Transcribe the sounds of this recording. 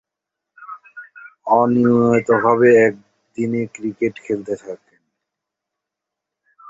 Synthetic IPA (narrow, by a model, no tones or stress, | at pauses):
ɔnit̪oɦɔβeɛk̚ | d̪inekɾikeʈkʰelt̪et̪ʰaken